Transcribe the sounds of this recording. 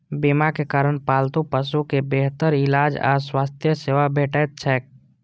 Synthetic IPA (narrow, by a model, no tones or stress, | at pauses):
bimakekaːɾəɳ̃paːlt̪ũpəsukebeːɦt̪əɾɪlaːd͡ʒa̰ːswaːst̪ʰjəseːʋabʱeːʈət͡ʃʰɛːk̚